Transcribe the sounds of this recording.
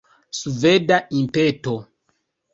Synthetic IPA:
suvedaimpɛto

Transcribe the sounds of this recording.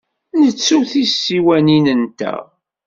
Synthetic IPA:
nət͡sːuθisːiwæninənt̪æ̰

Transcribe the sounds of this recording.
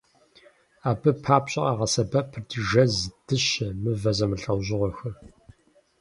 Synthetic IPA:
aːbɨpʰaːpɕʼɪʔɐʁɐsɐbɐpʰɨrdʰɨʒɐzd̥ɨɕɐmɨvɐzɐmɨɬɐwʑɪʁʷɔxɨr

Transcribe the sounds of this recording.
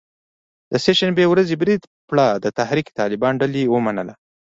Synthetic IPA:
d̪̥əseʃanbewɾazebɾid̪ | pɭad̪ət̪ahɾiki̥t̪ɑlɪbɑnɖaliwəmanəla

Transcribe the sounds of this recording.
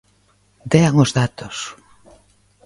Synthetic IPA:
d̪eaŋozðat̪ʊs

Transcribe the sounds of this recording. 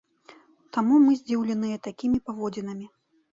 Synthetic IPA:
t̪amumɨzʲd͡zʲiwlʲinɨjɛt̪akʲimʲipavɔd͡zʲinɐmʲi

